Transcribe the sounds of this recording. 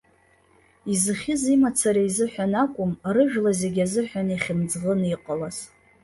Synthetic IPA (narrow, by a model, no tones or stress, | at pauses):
izɨχʲɪzimat͡sʰaɾaizɨħʷᶣanakʷʼʊmrɨʒᶣlazeɡʲazɨħʷᶣaniχʲɪmd͡zʁəniqʼəlaz